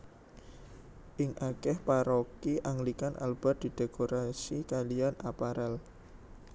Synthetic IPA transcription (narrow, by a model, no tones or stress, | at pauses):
ʔɪŋʔakɛhpaɾokiʔaŋlikanʔa̰lb̥ad̪̥i̤d̥ekoɾasikalianapaɾɛl